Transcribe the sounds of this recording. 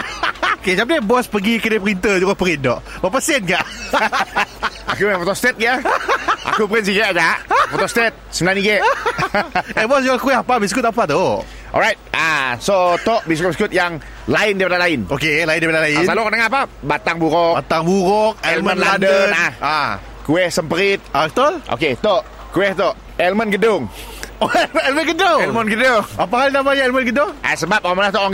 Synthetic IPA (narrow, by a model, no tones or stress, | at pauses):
okesap̚dibɔspəɡikədepɾint̪əd͡ʒuɡapəɾɪndɔʔbapəsɛnɡaʔ | akuəfɔt̪ɔst̪ɛt̪̚ɡəʔa̰kupəɾɪns̬iɡɛtad͡ʒaʔfot̪ɔst̪ɛt̪̚səmənaniɡe | ɛbɔsd͡ʒuɡakiapabis̬kut̪apat̪u | ʔɔ̰lɹajt̪̚asot̪ɔʔbiskut̚biskut̪̚jaŋ | laɪndipadalaɪnokelaindaipadalaɪalukɔnəŋaapabat̪aŋbuɾɔat̪aŋbuɾɔk̚ɛɛllmə̃nladənaa | kuɛhsəmpəɾɪt̪̚akət̪olʔo̰ket̪ɔʔ | kuɛht̪ɔʔ | ɛlmənɡədʊŋ | oɛlmənɛlmənɡədʊŋɛlmənɡədʊŋapaɦalnamaɲaɛlmənɡədʊŋa̰səbap̚aamanlat̪ɔɔŋ